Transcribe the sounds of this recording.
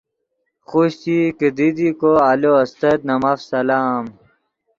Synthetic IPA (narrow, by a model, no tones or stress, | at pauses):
xuɕt̪iked̪id̪ikoaloɐst̪ɐd̪nɐmafsɐlaːm